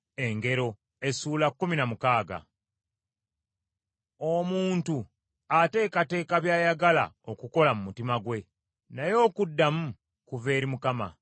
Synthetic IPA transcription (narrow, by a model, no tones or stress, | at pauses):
e̞ŋɡe̞ɾo̞ | e̞suːlakːuminamukaːɡa̰ | o̞muːntu | ate̞ːkate̞ːkaβjaːjaɡala̰o̞kuko̞lamumutimaɡwe̞ | najo̞ːkudːamu | kuve̞ːɾimukama̰